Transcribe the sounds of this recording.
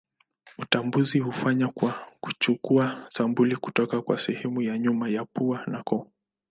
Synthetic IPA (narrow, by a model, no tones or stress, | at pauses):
tambuzihufaɲakwaku̥t͡ʃukuasambuliku̥tɔkakwa̰sɛhɛmujaɲumajapuanakɔ